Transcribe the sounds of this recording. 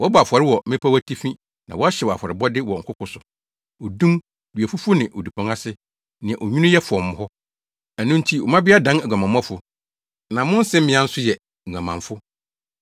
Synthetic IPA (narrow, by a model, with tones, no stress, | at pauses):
wɔ˦bɔ˨a˨fa˨ɾɪ˦wɔ˨mɪ̃˦pʰa˦wæ˦tʰi˦fĩ˦ | nã̰˨wɔ˦a˦ɕɛ˨wɔ˨a̰˨fɔ˨ɾɪ˨bɔ˦dɪ˦wɔ˨ŋ̩˨kʰʷʊ˦kʰʊ˦sʊ˨ | o˨dũ˦m | dɥæ˨fʊ˦fʊ˦nɪ̃˨ʔo˨di˨pʰɔ̃˨ŋa˦sɪ˦ | nɪ̃˨ɛ̃˨ʔo˨ɲᶣũ˦nʊ̃˦jɛ˦fʊ˨ɔ˨mʊ̃˨hɔ˦ | æ˨nʊ̃˦n̩˦tʰi˦ɔ˨mã˦bɪ˦a˦dã˦nɛ˨ɡʷa˨mã˨m˦ã˦fʊ˨ | nã˨mʊ̃˦n̩˦sɛ̃˦m̩˦mɪ̃˨˦ã˦n̩˦sʊ˦jɛ˨ | ŋ̩˨ã˨mã˨ɱfʊ˦